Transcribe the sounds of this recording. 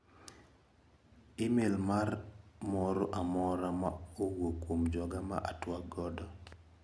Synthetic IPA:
ɪmelmarmɔɾoʔamɔɾama̰owokwomd͡ʒɔɡama̰ʔa̰twaɡɔdɔ

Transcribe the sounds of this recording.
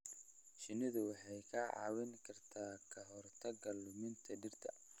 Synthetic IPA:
ʃɪnɪðʊwɑħɑjkʰɐʕɑ̰ːwɛŋkʰɐrt̪ʰaːkʰɐɦɔrt̪ʰɐɡɐlʊmɪnt̪ʰɐɖɪrt̪ʰɐ

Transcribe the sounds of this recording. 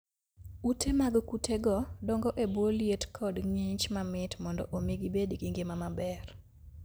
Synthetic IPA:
utʰemaɡkutʰeɡɔdɔŋɡɔʔeboljetkʰɔdŋiɲt͡ʃmamɪtmɔndɔ̰ʔomiɡibedɡiŋɡemamabɛr

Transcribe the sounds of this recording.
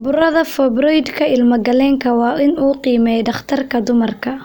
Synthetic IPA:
bʊɾɐðɐfɛbɾɔjd̪kʰɐɪlmɐɡɐlɛːŋkʰɐwɑːɪnuːqiːmɛjɖɐχt̪ʰɐrkʰɐd̪ʊmɐrkʰɐ

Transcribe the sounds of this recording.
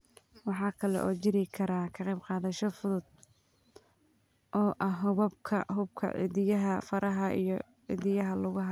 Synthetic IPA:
wɑħɑːkʰɐlɛ̰ʔɔːt͡ʃɪɾɪkʰɐɾaːkʰɐqɛjbqɑːðɐʃɔfʊðʊd̪̥̚ | ʔɔːʔɐɦʊβɐbkʰɐ̰ɦʊbkʰɐ̰ʕḭðɪjɐɦɐfɐɾʔɐɦɐḭjɔ | ʕḭðɪjɐɦɐlʊɣɐɦɐ

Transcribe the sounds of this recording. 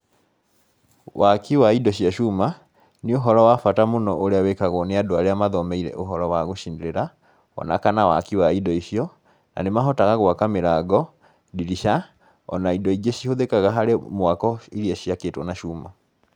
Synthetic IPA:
wakiwaidɔɕiaʃuːma | neoɦɔɾɔwafatamonɔʔoɾeawekaɣwɔneadoaɾeamaðɔmɛiɾɛ̰ʔoɦɔɾɔwaɣoʃindeɾeɾa | ɔ̰na̰kanawa̰kiwaidɔiɕiɔ | na̰nemaɦɔtaɣaɣwakameɾaɡɔ | diɾiʃa | ɔ̰naidɔiɡeʃihoðekaɣaɦaɾemwakɔiɾiaɕiakeːtwɔnaʃuːma

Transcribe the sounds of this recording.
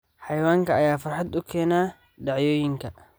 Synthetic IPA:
ħajwaːŋkɐːjaːfɐɾħad̪̚dʊkʰːɛːnaː | daʕjoːjɪŋkɐ

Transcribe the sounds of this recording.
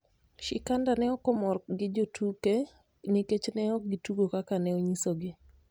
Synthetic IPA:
ʃɪkandanɛɔkɔmɔrɡɪd͡ʒotʰuke | niket͡ʃnɛɔk̚ɡɪtuɡokakanɛoɲisoɡɪ

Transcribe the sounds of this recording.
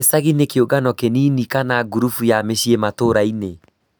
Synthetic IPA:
esaɣinekeoɡanɔkeniːnikanaɡuɾufujameɕiematoɾaine

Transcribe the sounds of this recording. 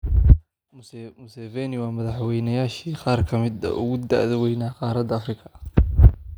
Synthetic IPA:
mʊsɛːvɛnɪwɑːmɐðɑħwɛjnɐjaːʃiːqɑːrkʰɐmɪd̪ɐ̰ʔʊɣʊd̪a̰ʔðɛwɛjnaːqɑːɾɐd̪ɐɐfrɪkʰɐ

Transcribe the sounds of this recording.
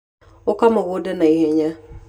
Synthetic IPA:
okamoɣodɛnaiheɲa

